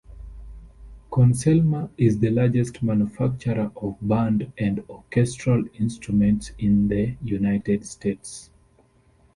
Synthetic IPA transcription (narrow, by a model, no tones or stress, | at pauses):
kʰɔ̃nsɛlmaɪzðəlaɹd͡ʒɛstmãnjufak̚t͡ʃəɹəʔɔvbãndɨ̃ndɔkʰɛstɹ̥alɪ̃nstɹ̥umɛ̃ntsɪ̃nðəjunaɪtɛdstʰets